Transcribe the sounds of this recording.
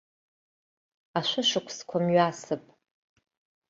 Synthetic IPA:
aʃʷʊʃɨkʷʰskʷʰamɥasɨpʼ

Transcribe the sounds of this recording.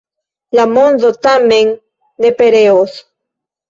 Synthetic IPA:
ʎamonzot̪ameŋ | d̪epeɾeos

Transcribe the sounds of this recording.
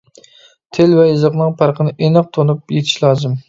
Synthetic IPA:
t̪ʰelvɛjɨzəqnɨŋpʰɑɾqʰənɨʔenɨq̚t̪ʰonupjet̪ʰɪ̥ʃlˠɑːzɨm

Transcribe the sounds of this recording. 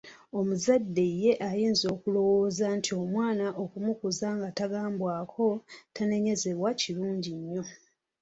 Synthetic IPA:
o̞muzadːe̞je̞ʔajiːnzo̞ːkulo̞wo̞ːzantʰio̞mwaːnaʔokumukuzaŋɡataɡaːmbwaːkʰo̞tane̞ɲe̞ze̞βwaciluːɲɟiɲːo̞

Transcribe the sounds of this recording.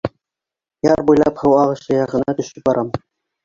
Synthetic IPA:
jɑɾbujlˠɑphɤwɑʁɤ̆ʃɤjɑʁɤ̆nɑt̪ɵ̆ʃɘp̚bɑɾʔɑm

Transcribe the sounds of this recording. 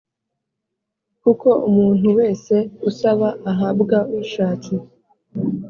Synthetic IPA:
kuko̞ʔumuːn̥huwe̞ːse̞usaβaʔaɦabɡauiʃaːtʰi

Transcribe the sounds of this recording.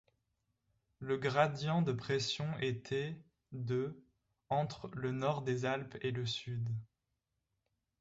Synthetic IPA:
ləɡʁad̪jɑ̃d̪əpχesjɔ̃ʔet̪ʰɛ | d̪ə | ɑ̃t̪χlənɔʁd̪ezalpeləsyd̪

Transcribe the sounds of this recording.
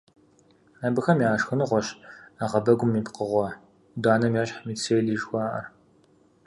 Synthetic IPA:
aːbɨxɐmjaːʂxɨnɨʁʷɔɕaʁɐbɐɡʷʊmːipqəʁʷɔ | daːnɐmjaːɕħmit͡sʰeːjɮiʒxʷɑːʔɐ̰r

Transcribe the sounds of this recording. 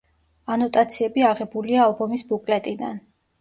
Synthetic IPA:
anɔt̪ʼat̪sʰiɛbiaʁɛbuliaːlˠbɔmisbukʼlɛt̪ʼid̪an

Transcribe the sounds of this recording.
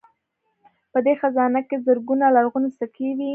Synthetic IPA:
pəd̪exazɑnakezəɾɡunalaɾɣunosakewi

